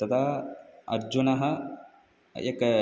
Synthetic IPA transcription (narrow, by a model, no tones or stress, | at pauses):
t̪ɐd̪aːɐ̰ɾd͡ʒunɐɦɐ | ḛkː